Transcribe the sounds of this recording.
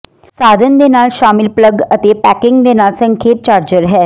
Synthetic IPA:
saːd̪ʱənd̪eːnaːlʃaːmɪlpləɡət̪eːpɛːkɪŋɡd̪eːnaːlsə̃ŋkʰeːp̚t͡ʃaːɾd͡ʒəɾɦɛː

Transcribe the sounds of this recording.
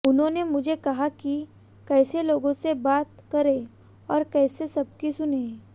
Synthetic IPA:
ʊnɦõːnemʊd͡ʒʱekɐɦaki | kɛːseloːɡõsebaːt̪kɐɾẽː | ɔːɾkɛːsesɐb̚kisʊneː

